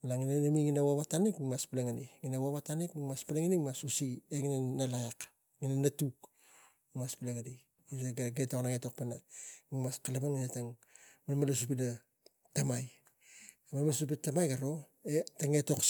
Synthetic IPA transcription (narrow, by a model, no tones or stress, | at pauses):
laŋinanamiŋinawaβatanikimaspileŋaniŋinawaβatanikmiŋmaspaleŋanimasusieŋinanalajak | ŋinanatuk | imaspileŋani | iaɡaɡetoknaŋeto̞k̚penaimaskalabaŋinataŋmemalasup̬ida | tamaj | mamasup̬itamajɡaɾo̞ | etaŋeto̞k